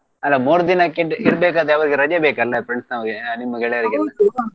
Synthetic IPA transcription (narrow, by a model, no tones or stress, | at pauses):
ɐlːɐmoːɾd̪inakeʈiɾbeːk̬aːd̪eɐʋɐɾiɡeɾɐd͡ʒɐbeːkɐlːɐfɾeɳsnɐʋɐɡenimːɐɡeɭɛʋɐɾiɡɐlːɐ